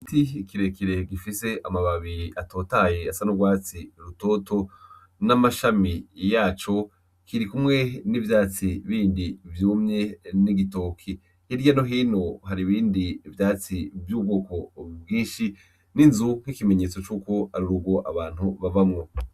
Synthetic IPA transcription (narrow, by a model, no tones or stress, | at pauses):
itiikiɾe̞kiɾe̞ɡifise̞amaβaβiɾʔato̞ːtaje̞asanuɡwaːt͡siɾuto̞ːto̞ | namaʃamijaːt͡ʃo̞ | kiɾikumŋe̞nivjaːt͡siβiːndivjuːmɲe̞niɡitoːkʰi | hiɾɟanoɦiːno̞ɦaɾiβiːndivjaːt͡sivjuːb̚ɡo̞ːko̞bɡĩːʃi | ninzuŋ̥hikimeɲe̞ːt͡so̞t͡ʃuːko̞aɾuɾuɡo̞ʔaβaːn̥huβavamŋo̞